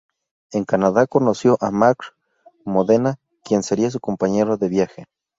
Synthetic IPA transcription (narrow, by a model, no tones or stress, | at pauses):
eŋkanaðakonosjoʔamakɾ | moðena | kjenseɾias̬ukompaɲeɾoðeβjaxe